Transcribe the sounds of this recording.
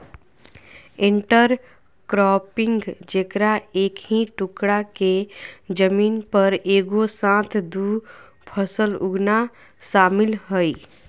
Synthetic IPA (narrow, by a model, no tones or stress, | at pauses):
ɪ̃ɳʈəɾ | kɾɔːpɪ̃ŋɡd͡ʒekɾaeːkɦĩʈʊkɽaked͡ʒəmiːnpəɾeːɡosãːt̪ʰd̪uː | pʰəsəlʊɡna | ʃaːmɪlɦəi